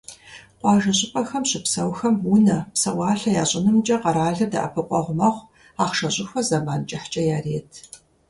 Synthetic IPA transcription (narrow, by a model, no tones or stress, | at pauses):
qʷɑːʒɐɕʼɪpʼɐxɐmɕɪpsɐwxɐmunɐpsɐwɑːɬɐjaːɕʼɪnɨmt͡ʃʼɐqɐɾaːɮɐdɐ̰ʔɐ̰pʰɨqʷʼɔʁʷʊmɐχʷ | aːχʃɐɕʼɪxʷɐzɐmaːnt͡ʃʼɐħt͡ʃʼɐjaːreːtʰ